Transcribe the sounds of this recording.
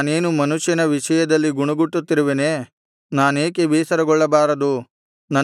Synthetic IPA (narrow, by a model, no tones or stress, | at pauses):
ne̞ːnumɐnuʃjɐnɐʋiʂɐjɐd̪ɐlːiɡuɳuɡuʈːut̪ːiɾɐʋeneː | naːneːkebiːsɐɾɐɡɔɭːɐbaːɾɐd̪u | nɐ